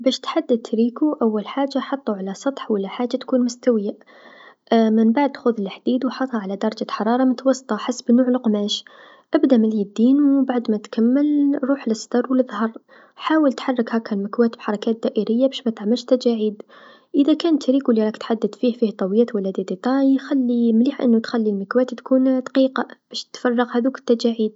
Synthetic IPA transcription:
bæːʃt̪ħad̪ːəd̪̚t̪ːɾiːkuʔawːalħaːʒːaħɑt̪ˤːuʕalasˤɑt̪ˤħwəlːaħaːʒːat̪kuːnmʊst̪awɪja | mənbaʕd̪xʊðlħd̪iːd̪wħɑt̪ˤhɑʕalad̪ɑɾˤɑd͡ʒaħɑɾˤɑːɾˤɑmʊt̪awɑsˤːt̪ˤɑħasːbnuːʕlqmæːʃ | ʔabd̪amɪlid̪ːiːnwbaʕd̪mæt̪kamːəlɾˤuːħləsˤd̪ɑɾˤwləðˤhɑɾˤ | ħaːwəlt̪ħɑrˤːəkhækəlmɪkwæːt̪b̥ħɑɾˤɑkæːt̪̚d̪æʔəɾəjːabæʃmæt̪aʕməlʃt̪æd͡ʒaʕiːd̪ | ʔəðækæːnt̪ɾiːkwlːiɾˤɑːkt̪ħad̪ːəd̪fiːhfiːht̪ˤɑwjæːt̪walːæd̪id̪et̪ˤɑjxælːimliːħʔə̰nːut̪xælːilməkwæːt̪t̪kuːnd̪ɑ̥qiːqɑb̥æʃt̪fɑrˤːɑɣhæðuːkɪ̥t̪ːæd͡ʒaʕiːd̪̚

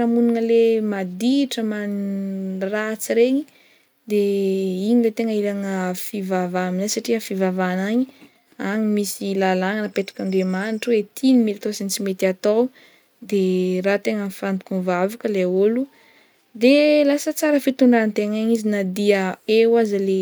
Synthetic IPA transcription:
aɾəmunanəlemad̪iʈ͡ʂəman | rat͡siɾeɲi | d̪eiɲilet̪eŋəiɾaŋəfivavaminasaʈ͡ʂiəfivavanaɲi | aɲimisilalaŋanəpeʈ͡ʂḁkaɳɖ͡ʐemaniʈ͡ʂəwet̪ʰinimilt̪osensimet̪iat̪aw | d̪erat̪eŋənfand̪u̥kunvavakəleaulu | d̪elasət͡saɾəfit̪uɳɖ͡ʐant̪eŋaɲizinad̪iəewazəle

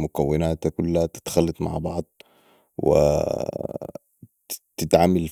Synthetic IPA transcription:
mʊkawːɪnaːt̪akʊlːahat̪ɪ̥t̪xalːɑt̪ˤma̰ʕbɑʕd̪̚ˤ | wɪ̰ | t̪ɪt̪ʕamal

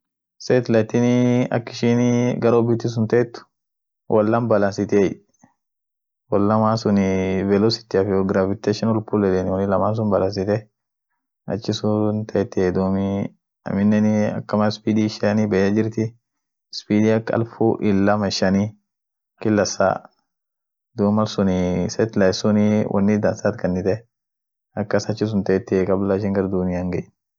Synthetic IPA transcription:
seːt̪lɐt̪ɪnɐ̰kːɪʃinɡɐɾoːbɪt̪ːɪs̬ʊnt̪ɐɛt̪ːʊ̥ | wʔɐlːɐnbɐlɐnsɪt̪ej | wɐlːɐmaːnsʊnɪvɛlosɪ̥t̪ːɪɐfɪɔɡɾaːfɪt̪ːeʃɐnɔlpʊlɛt̪ɛnɪwɔnɪlɐmaːns̬ʊnbɐlɐnsɪt̪ɛ | ɐ̰t͡ʃːɪsʊnt̪ʰɐɛt̪ːɪed̪oːmɪ | ɐ̰mɪnːɛnɪɐ̰kːɐmɐspiːd̪iʃnɪbɐjːɐd͡ʒɪɾt̪ɪ | spiːd̪iɐkːɐ̰lfuʔɪlːɐmɐʃɐni | kɪlːɐsa̰ | d̪uːmɐlsʊnɪsɛt̪lɐjsʊnɪwʔɐ̰nːɪd̪ɐnsat̪kɐnːɪt̪ɛ | ɐkːɐsɐt͡ʃːɪs̬ʊnt̪ɐɛt̪ːɪɛkʼɐblaɪʃ̬ɪŋɡɐɾd̪unɪjaŋɡɛjn

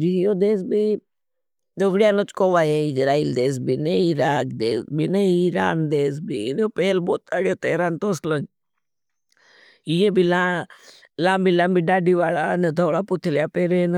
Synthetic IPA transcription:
d͡ʒiɦjod̪eːs̬bi | d͡ʒ̪əʋɽjaːnot͡ʃkoːʋajeɪd͡ʒɾaːiːld̪eːs̬bineiɾaːkd̪eːsbineiɾa̰ːnd̪eːs̬bḭnopeːlboːt̪̚aɽjoːt̪eːɾaːnt̪oːslən | ijẽbila | lãːmbilãːmbiɖaːɖiʋaːɭanəd̪ʱoːɽaput̪ʰiljapeːɾen

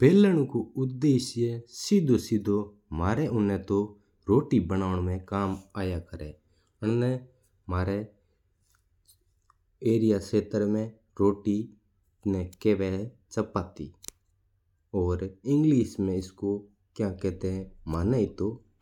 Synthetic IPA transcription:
peːləɽ̃ũkoʊd̪eːʃjəsɪd̪ʱosɪd̪ʱo | maːɾɛʔʊnɛ̃t̪o | ɾoːʈibənaːʊɽ̃mẽkaːmaːjakəɾɛ | ʊɳnɛ | maːɾɛ | eːɾɪjaseːt̪əɾmẽ | ɾoːʈi | nɛkeːʋɛːt͡ʃəpaːt̪ḭː | ɔːɾɪ̃ŋɡliːsmẽɪsko | kjãːkɛːt̪ẽmaːnaːit̪oː

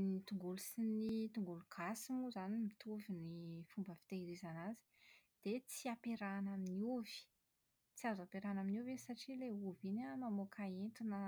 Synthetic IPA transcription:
nit̪uŋɡulusinit̪uŋɡuluɡ̥asimuzanimit̪uvinifumbəfi̥t̪eiɾizanazi̥d̪̥et͡siapeɾanaminiuv̥i̥ | t͡siazapeɾanaminuvesaʈ͡ʂileuvinamamokʰaent̪inə

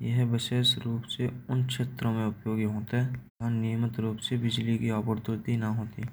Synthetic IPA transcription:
jɐɦbɪʃeːsɾuːpseʊnkʃeːt̪ɾõmẽʊpjoːɡiɦoːt̪aɦɛ | anijmət̪ɾuːpsebɪd͡ʒlikiɔːpəɾd̪ʊɾt̪inɐɦoːt̪i

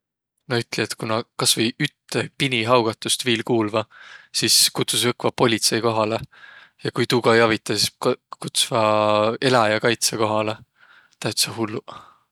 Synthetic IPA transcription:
noyt̪ːˑlʲiet̪kunɑkɑsvɤjyt̪ːepinʲiɦɑwɡ̥ɑt̪ːˑust̪viːlkuːlvɑsiskut̪susɤkvɑpo̞lʲit̪se̞jko̞ɦɑlejɑkujt̪uːɡ̥ɑjɑvit̪ːˑɑsi̥kut̪svɑe̞lɑjɑkɑjt̪seko̞ɦɑle | t̪ɑyt̪sɑɦulːu

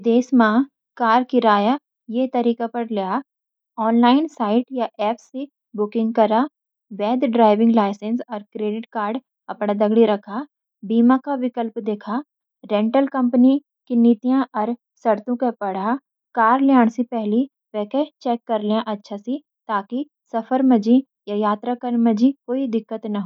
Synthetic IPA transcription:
d̪eːsmã | kaːɾkiɾaːja | jet̪ɐɾiːkapɐɾlejaː | ɔːnlaːɪnsaːɪʈjaʔɛːpsi | bʊkɪ̃ŋɡ̚kɐɾaː | ʋɛːd̪ɖɾaːɪʋɪ̃ŋɡlaːɪsensɔːɾkɾeːɖɪʈkaːɾɖ | ɐpɽad̪ɐɡɽiɾɐkʰaː | biːmakaʋɪkəlpd̪eːkʰaː | ɾɛ̃ːɳʈəlkɐ̃mpni | kiniːt̪ijãʔɔːɾ | sɐɾt̪õkapɐɽ̤a | kaːɾljaːɽ̃sipɛɦli | ʋɛːket͡ʃɛːkːɐɾlijãʔɐtːʃʰasi | t̪aːki | sɐfəɾmɐd͡ʒi | jajaːt̪ɾakəɾmɐd͡ʒikoːid̪ɪkːət̪nɐɦoː

